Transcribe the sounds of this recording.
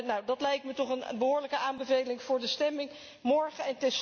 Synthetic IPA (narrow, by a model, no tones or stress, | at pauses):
nawdɑtlɛjk̚tmətɔχənbəɦʊːɹləkəaːmbəvejlɪŋv̥ʊːɹdəstɛmɪŋ | mɔɹχəɛntɪs